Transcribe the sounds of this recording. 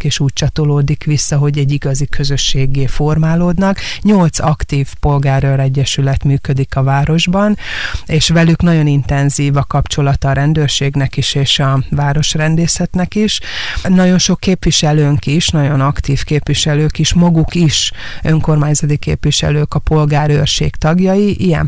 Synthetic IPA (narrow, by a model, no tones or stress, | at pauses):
keːʃuːc̚t͡ʃɒt̪oloːd̪ikʋisːɒɦo̞ɟɛɟːiɡɒzikʰø̞zø̞ʃːeːɡːeːfo̞rmaːloːd̪nɒkɲo̞lt̪sɒkt̪iːfpo̞lɡaːroɾɛɟːɛʃylɛt̪myːkø̞d̪ikɒvaːɾo̞ʒbɒneːʃʋɛlyknɒɟo̞nint̪ɛnziːvɒkɒpt͡ʃo̞lɒt̪ɒɾɛnd̪øːrʃeːɡnɛkiʃeːʃɒvaːɾo̞ʃrɛnd̪eːsɛt̪nɛkiʃnɒɟo̞nʃo̞kːeːpʋiʃɛløːŋkiʃnɒɟo̞nɒkt̪iːfkeːpʋiʃɛløːkiʃmɒɡukiʃ | øŋko̞rmaːɲzɒt̪ikḛːpʋiʃɛ̰løːkɒpo̞lɡaːɾøːrʃḛːkt̪ɒɡjɒjiʔijɛ̰n